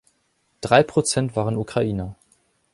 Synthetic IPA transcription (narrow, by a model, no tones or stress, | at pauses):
d̥ʁaɪpʁ̥ot͡sɛntv̥aːʁənukʁ̥aʔiːnɐ